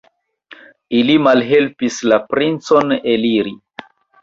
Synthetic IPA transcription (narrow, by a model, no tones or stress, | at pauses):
ilimalɦe̞lpislapɾint͡so̞neliɾi